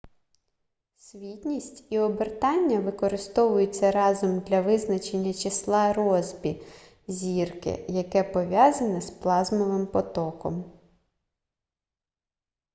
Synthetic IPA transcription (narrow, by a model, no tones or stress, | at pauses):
sʲʋʲitʲnʲisʲtʲiɔbert̪ɑnʲːɐʋɪkɔɾɪst̪ɔʋʊjʊt͡sʲːɐɾɑzɔmd̪lʲɐʋɪznɐt͡ʃe̞nʲːɐt͡ʃɪslˠɑɾɔzʲbʲi | zʲirkɪ̰jɐkɛpɔʋʲjɑzɐnɛsplˠɑzmɔʋɪmpɔt̪ɔkɔm